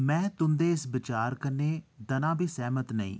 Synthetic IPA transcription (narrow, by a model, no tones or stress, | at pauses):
mɛ̃ːt̪ʊnd̪eːɪsbɪt͡ʃaːɾkəɾneːd̪ənãːbʱiːsɛːmət̪nəḭ̃ː